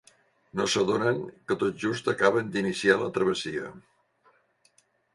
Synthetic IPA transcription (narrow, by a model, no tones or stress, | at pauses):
nosəðonəŋkət̪ot̪̚ʒust̪əkaβənd̪inisialət̪ɾəβ̞əsiə̰